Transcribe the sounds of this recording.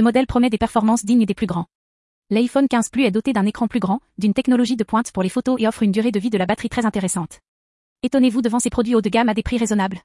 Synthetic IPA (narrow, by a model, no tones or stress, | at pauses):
əmɔd̪ɛlpχɔmɛd̪epɛʁfɔʁmɑ̃sd̪iɲəd̪eplyɡʁɑ̃ | lajfɔnkʲɛ̃z̥plyɛd̪ɔt̪ed̪ɛ̃nekχɑ̃plyɡʁɑ̃d̪ynt̪ɛknɔlɔʒid̪əpwɛ̃t̪puʁlefot̪oeɔfχynd̪yʁed̪əvid̪əlabat̪χit̪χɛzɛ̃t̪eʁesɑ̃t̪ | et̪ɔnevud̪əvɑ̃sepχɔd̪ɥiod̪ɡʲamad̪epχiʁezɔnabl